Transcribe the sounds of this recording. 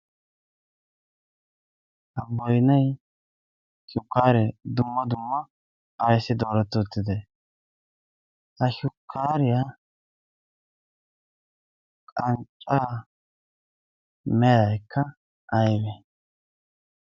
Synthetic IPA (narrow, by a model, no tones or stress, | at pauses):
hɐbɔjnɛj | ʃʊkːaːɾɛd̪ʊmːɐd̪ʊmːɐ | ɐjsɪd̪oːɾɛt̪ːɔt̪ːɪd̪ɛ | hɐʃʊkʰːaːɾɪja | kʼɐnt͡ʃʼːa | mɛjɐjkʰːɐ | ʔɐjbɛ